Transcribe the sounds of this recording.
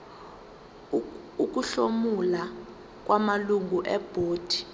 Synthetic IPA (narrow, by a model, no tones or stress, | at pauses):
uk̬ʼuɬomula | k̬ʼwʔamaluŋɡuʔɛb̥ʱoːd̥ʱi̥